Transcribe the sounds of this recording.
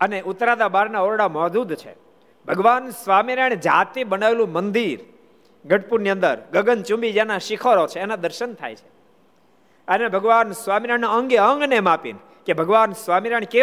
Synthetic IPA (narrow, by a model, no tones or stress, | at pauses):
əneʔʊt̪ɾad̪abaɾnaoɾɽamɔd̪ud̪t͡ʃʰḛ | bʱəɡʋansʋamiɾaɳ̃d͡ʒat̪ibənaʋelũmənd̪iɾ | ɡʱəʈpuɾniə̃nd̪əɾɡəɡənt͡ʃũmbid͡ʒanaʃɪkʰəɾot͡ʃʰeːnad̪əɾʃənt̪ʰa̰jt͡ʃʰe̥ | ənebʱəɡʋansʋamiɾaɳnaəŋɡeəŋɡnemapḭn | kebʱəɡʋansʋamiɾaɳ̃ke